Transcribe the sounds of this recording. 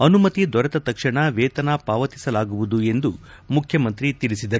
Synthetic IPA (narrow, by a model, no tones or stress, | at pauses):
ɐnumɐt̪id̪ʋɐɾɐt̪ɐt̪ɐkʂɐɳɐʋeːt̪ɐnɐpaːʋɐt̪i̥sɐlaːɡuʋud̪ue̞nd̪u | mukʰjɐmɐnt̪ɾit̪iɭisid̪ɐɾu